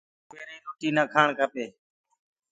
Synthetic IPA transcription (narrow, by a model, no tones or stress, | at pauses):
peːɾiːɾuːʈiːnaːkʰaːɳkəpeː